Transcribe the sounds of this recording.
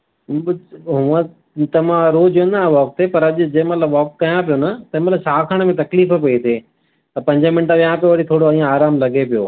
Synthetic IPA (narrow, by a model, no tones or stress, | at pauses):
ɦʊə̃ | t̪ɐʋãɾoːd͡ʑonːʋɔːk̚t̪ʰepɐɾɐʄʊd͡ʑɐ̃mɐt̪ləbʋɔːkːɐjãpijonɐt̪ɐɦɪ̃mɐt̪lət͡ɕʰaːkʰaːɽ̃əmẽt̪ɐkliːfə̆pɐit̪ʰeː | t̪ɐpɐ̃ɲd͡ʑəmɪnʈəʋijãpijoʋɐɽit̪ʰoːɽoĩːãaːɾaːmlɐɡepijoː